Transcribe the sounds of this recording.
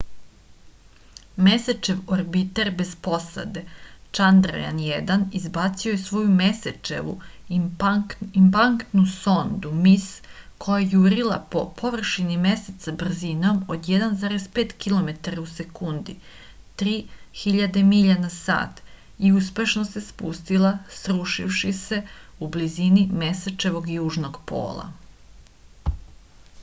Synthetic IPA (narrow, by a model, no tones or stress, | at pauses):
meset͡ʃe̞ʋoɾbit̪eɾbe̞zpo̞sa̰d̪e̞t͡ʃand̪ɾo̰ja̰njed̪anizbat̪siojesʋo̞jumeset͡ʃḛʋṵ | impaŋkt̪nuso̞nd̪umiskʰo̞jajuɾilˠa̰po̞pʰo̞ʋr̩ʃinimeset̪ːabr̩zino̞mod̪jed̪anzaːɾespe̞ːt̪kilˠo̞me̞t̪aɾause̞kund̪i | t̪ɾiːxiʎad̪emiʎanasa̰ːt̪ | iuspe̞ʃnose̞spust̪ilˠasɾuʃḭfʃise̞ublizinime̞set͡ʃe̞ʋo̞ɡjuːʒno̞ɡpʰo̞̰ːlˠa̰